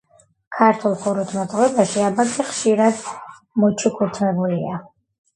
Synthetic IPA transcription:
kʰaɾt̪ʰulˠkʰuɾut̪ʰmat̪t̪ʼʁvɛbaʃiabakʰʼiχʃiɾad̪ | mɔt͡ʃʰukʰuɾt̪ʰmɛbulia

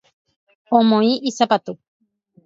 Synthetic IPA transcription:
omõiʔisapat̪u

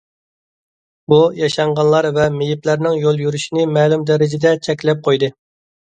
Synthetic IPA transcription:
bujɑʃɑɴʁɑnlˠɑɾvɛmejiplæɾnɪŋjolˠjyɾyʃinɪmɛːlˠumd̪ɛɾɪd͡ʒɛd̪ɛt͡ʃʰɛkʲlɛp̚qʰojd̪ɨ

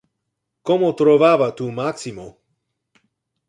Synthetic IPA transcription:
kɔmɔt̪ɾɔvaːvat̪umaksimo

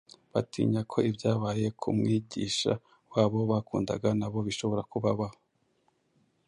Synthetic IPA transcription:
βatʰḭːɲakʰo̞ibjaːβaːje̞kʰṵmŋiːɟiːʃa̰ | waːβo̞βakuːnda̰ɡanaβo̞βiʃo̞βo̞ɾakuβaβaho

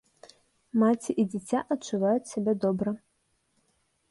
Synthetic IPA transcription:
mat͡sʲiʔid͡zʲɛt͡sʲaʔɐt͡ʂːuvajut͡sʲsʲabʲed̪ɔbɾɐ

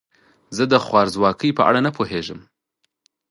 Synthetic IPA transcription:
zəd̪əxwɑɾzwɑkʰəjpəʔa̰ɽanapʰoɦeʒəm

